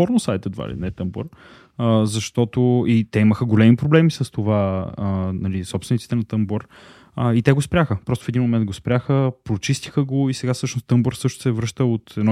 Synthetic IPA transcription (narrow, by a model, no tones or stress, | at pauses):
ɔɾnosajt̪əd̪va̰lḭnɛt̪əmbo̰ɾ | əzɐʃt̪ɔt̪oit̪ɛiməxəɡolɛmipɾoblɛmisəst̪ovaənɐlisɔpsvɛnit̪i̥t̪ɛnɐt̪əmboɾ | əit̪ɛɡospɾʲjaxəpɾɔst̪ʊfɛd̪inmomɛnd̪̚ɡospɾʲaxəpɾot͡ʃist̪i̥xəɡoisɛɡafsɤʃnost̪əmboɾfsɤʃt̪o̥sɛvɾɤʃt̪əot̪ɛd̪nɔ